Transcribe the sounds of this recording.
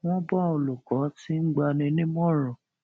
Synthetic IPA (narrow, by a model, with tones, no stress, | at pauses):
w̃ɔ̃˦ba˦˨o˧lu˨kɔ˨˦ti˦n̩˦ɡ͡ba˧nĩ˧nĩ˦mɔ̃˦ɾɔ̃˨